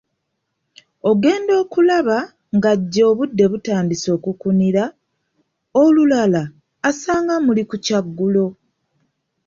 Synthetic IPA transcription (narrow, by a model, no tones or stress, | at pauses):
o̞ɡe̞ːndo̞ːkulaβa | ŋɡaɟːo̞ːβudːe̞βutaːndiso̞ːkukuniɾa | olulalaː | saːŋɡamulikucaɡːulo̞